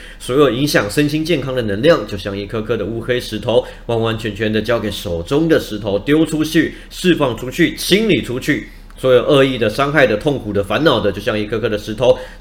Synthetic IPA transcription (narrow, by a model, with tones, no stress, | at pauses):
swɔ˧˥jo˨˩i˧˥ŋɕjɑ˨˩ŋʂə˥nɕi˥nt͡ɕjɛ˥˩nkʰɑ˥ŋd̪ə˨nɤ˧˥ŋljɑ˥˩ŋt͡ɕjo˥˧ʊɕjɑ˥˧ŋi˥˩kʰɤ˥kʰɤ˥ɾə˨u˥xe˥ɪʂɻ̩˧˥t̪ʰo˧˥ʊ | wa˥˩nwa˥nt͡ɕʰɥɛ˧˥nt͡ɕʰɥɛ˧˥nd̪ə˨t͡ɕjɑ˥ʊke˨˩ɪʂo˨˩ʊʈ͡ʂʊ˥ŋd̪ə˨ʂɻ̩˧˥t̪ʰo˧˥ʊt̪jo˥ʊʈ͡ʂʰu˥t͡ɕʰy˥˩ | ʂɻ̩˥˧fɑ˥˩ŋʈ͡ʂʰu˥t͡ɕʰy˥˩t͡ɕʰi˥nli˨˩ʈ͡ʂʰu˥t͡ɕʰy˥˩ | swɔ˧˥jo˨˩ʔɤ˥˧i˥˩d̪ə˩ʂɑ˥ŋxa˥˩ɪd̪ə˩t̪ʰo˥˩ŋkʰu˨˩d̪ə˦fa˧˥nnɑ˨˩ʊd̪ə˦t͡ɕjo˥˧ʊɕjɑ˥˧ŋi˥˩kʰɤ˥kʰɤ˥d̪ə˩ʂɻ̩˧˥t̪ʰo˧˥ʊ